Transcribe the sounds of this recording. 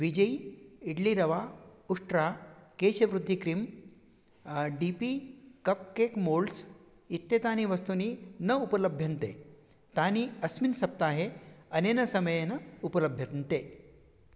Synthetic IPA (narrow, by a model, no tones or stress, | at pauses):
ʋid͡ʑəiiɽliɾɐʋauʂʈɾakeɕəʋɾud̪ʱːikɾim | ɖipikəp̚kekmols | it̪ːet̪aniːʋəst̪uninəupələbʱjənt̪ḛ | t̪aniːəsminsɐp̚t̪aːɦeənenəsəməjenəupələbʱjənt̪e